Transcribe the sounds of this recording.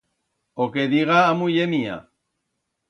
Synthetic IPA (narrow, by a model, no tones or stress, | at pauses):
okeðiɣaːmuʎemia̰